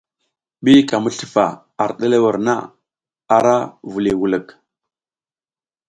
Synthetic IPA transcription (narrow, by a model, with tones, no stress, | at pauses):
ɓi˦ka˨mu˦ɬə̥˨fa˨ | a˨ɾɗe˦le˦wə˨ɾna̰˦ | a˨ɾa˦vu˨li˨wu˨lə˨k